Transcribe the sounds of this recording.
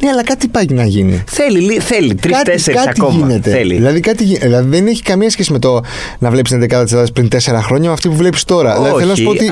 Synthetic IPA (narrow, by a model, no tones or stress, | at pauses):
neɐlɐkɐt̪ipɐʝinɐʝinḭθeliliθelit̪ɾikɐt̪eɾkɐtɐikoʝine̞t̪e̞lḭðilɐðikɐt̪iʝiðilɐðiðeneçi̥kɐmiɐsçesime̞t̪o | nɐvlepisnekɐt̪ɐt̪iselɐðɐspɾint̪e̞se̞ɾɐxɾo̞ɲɐmɐːft̪ipuvle̞pi̥st̪o̞ɾɐðilɐðiθelonɐsupot̪i